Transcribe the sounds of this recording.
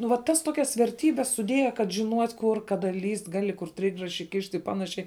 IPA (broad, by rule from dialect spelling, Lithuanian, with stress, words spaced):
nʊ ʋɐt ˈtɐs ˈtoːkʲɛs ʋʲɛrʲˈtʲiːbʲɛs sʊˈdʲeːjɛ kɐt ʒʲɪˈnuɔtʲ kʊr ˈkɑːdɐ lʲiːsʲtʲ ˈɡɑːlʲɪ kʊr ˈtʲrʲɪɡrɐʃʲɪ ˈkʲɪʃʲtʲ ɪ ˈpɑːnɐʃʲɛɪ